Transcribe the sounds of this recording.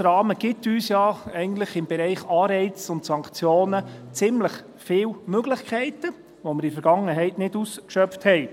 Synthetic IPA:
ɾɑːməɡ̥ɪtyːsjɑɛɪɡn̩tləχɪmbɛɾɛɪχɑːɾɛɪt͡sʊntsɑŋkt͡sjoːnət͡sɪmləχ | fɪːwmøɡlɪχkʰɛɪtə | vomɪɾifɛɾɡ̥ɑŋːəɦɛɪtnɪduskʃœpfthɛɪ

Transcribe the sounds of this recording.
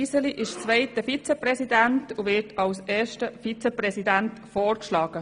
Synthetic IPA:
isəliʔɪʃt͡sʋɛɪtəfit͡səprɛsidæntuʋɪɾtʰɑlseːʃtəfit͡səprɛsidæntfoːrkʃlɑːɡ̥ə

